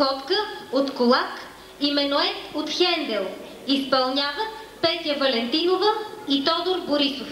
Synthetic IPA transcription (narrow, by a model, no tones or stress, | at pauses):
ɔp̪kəot̪kolˠak | imɛnoɛt̪ot̪xɛnd̪ɛlˠ | ispɐlˠnʲavət̪pɛt̪jəvɐlɛnt̪inovəit̪ɔd̪oɾboɾisof